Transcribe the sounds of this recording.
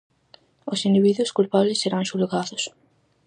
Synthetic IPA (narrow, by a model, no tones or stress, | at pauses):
osind̪iβiðwʊskulpaβlesːeɾaŋʃulɣaðʊs